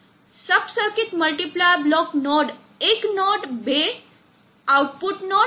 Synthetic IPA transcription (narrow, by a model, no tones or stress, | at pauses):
səpsəɾkiːt̪məlʈiplajblɔknɔɽ | eknɔʈbe | awʈ̚puʈnɔ